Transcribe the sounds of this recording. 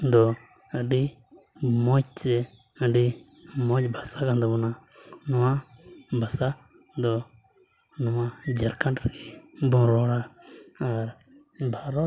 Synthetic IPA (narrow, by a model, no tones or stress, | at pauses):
d̪ɔ | əɖi | mɔt͡ʃ̚t͡ʃɛ | əɖi | mɔt͡ʃbʱasakãnd̪ɔbɔnanɔwabʱasa | d̪ɔ | nɔmad͡ʒəɾkãʈɾkibɔ̃ɾɔɽaː | ɾ | bʱaɾɔ